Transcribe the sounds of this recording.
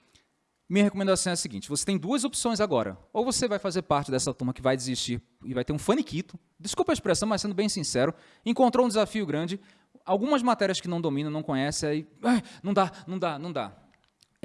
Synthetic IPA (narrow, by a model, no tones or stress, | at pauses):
mĩɲɐhekomẽnd̪asɐ̃w̃ɛɐsiɡĩt͡ʃɪvose̥t̪ẽj̃d̪uɐzopsõj̃zaɡɔɾɐ̰owvosevajfazeɾpaɾt͡ʃɪd̪ɛsɐt̪ũmɐkɪvajd͡ʒɪziʃt͡ʃiɾ | ɪvajt̪eɾũfɐ̃nikit̪ʊ | d͡ʒɪskupɐɪspɾesɐ̃w̃mɐsẽndʊbẽj̃sĩsɛɾʊ | ẽkõnt̪ɾowũd͡ʒɪzafiʊɡɾɐ̃d͡ʒɪ | awɡũmɐzmat̪ɛɾiɐskɪnɐ̃w̃d̪omĩnɐ̃nɐ̃w̃kõɲɛsɪaiajnɐ̃w̃d̪anɐ̃w̃d̪anɐ̃w̃d̪a̰